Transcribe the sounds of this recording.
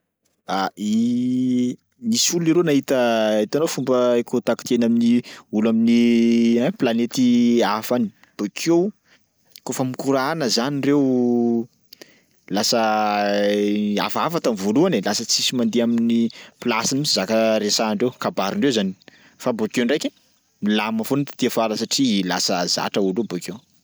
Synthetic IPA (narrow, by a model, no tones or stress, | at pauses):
ai | misuliɾonaɦit̪əit̪anofumbəekot̪aki̥t̪enaminiulaminiãplanet̪iafani̥ | b̥okʰew | kofəmikuɾanəzanirew | lasə | a̰fafat̪amivoluanelasət͡sisimand̪eaminiplasimisizakəɾesaɳɖ͡ʐewkabaɾiɳɖ͡ʐewzani̥ | fabokeɳɖ͡ʐajkʲe | milamafunt̪ḁt̪ifaləsaʈ͡ʂila̰səza̰ʈ͡ʂəulubokew